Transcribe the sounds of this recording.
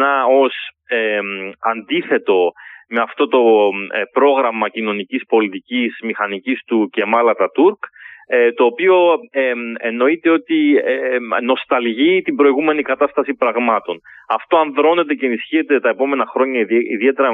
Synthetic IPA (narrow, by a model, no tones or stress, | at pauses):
nɐo̞s | eɐnd̪iθe̞t̪o̞me̞ɐft̪o̞t̪o̞pɾo̞ɣɾɐmɐcino̞nicispo̞lit̪icismixɐnicist̪uce̞mɐlɐt̪ɐt̪uɾkt̪o̞ːpio̞ | eno̞it̪e̞o̞t̪ieno̞st̪ɐlʝit̪ibɾo̞iɣume̞nikɐt̪ɐst̪ɐsipɾɐɣmɐt̪o̞nɐft̪o̞ɐnðɾo̞ne̞t̪e̞ce̞ːnisçie̞t̪e̞t̪ɐe̞po̞me̞nɐxɾo̞ɲɐiðie̞t̪e̞ɾɐ